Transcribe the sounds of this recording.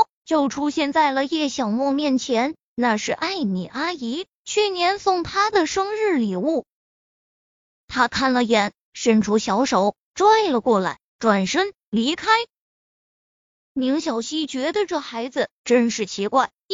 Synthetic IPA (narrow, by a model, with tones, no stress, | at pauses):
t͡ɕjo˥˩ʊʈ͡ʂʰu˥ɕjɛ˥˧nt͡sa˥˩ɪlə˩jɛ˥˩ɕjɑ˨˩ʊmwɔ˥˧mjɛ˥˩nt͡ɕʰjɛ˧˥n | na˥˧ʂɻ̩˥˧ʔa˥˩ɪmi˨˩ʔa˥i˧˥ | t͡ɕʰy˥˩njɛ˧˥nsʊ˥˩ŋt̪ʰa˥d̪ə˨ʂɤ˥ŋɻɻ̩˥˩li˨˩u˥˩ | t̪ʰa˥kʰa˥˩nlə˩jɛ˨˩˥n | ʂə˥nʈ͡ʂʰu˧˥ɕjɑ˧˥ʊʂo˨˧˥ʊ | ʈ͡ʂwa˥ɪlə˨˩kwɔ˥˩la˧˥ɪʈ͡ʂwa˨˩nʂə˥ŋ | li˧˥kʰa˥ɪ | mi˧˥ŋɕjɑ˨˩ʊɕi˥t͡ɕɥɛ˧˥d̪ə˧ʈ͡ʂɤ˥˩xa˧˥ɪd͡zɹ̩˧ʈ͡ʂə˥nʂɻ̩˥˩t͡ɕʰi˧˥kwa˥˩ɪ